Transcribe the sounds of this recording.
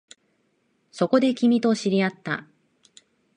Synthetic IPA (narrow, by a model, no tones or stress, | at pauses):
so̞ko̞d̪e̞kʲimʲit̪o̞ɕiɾʲiat̪ːa̰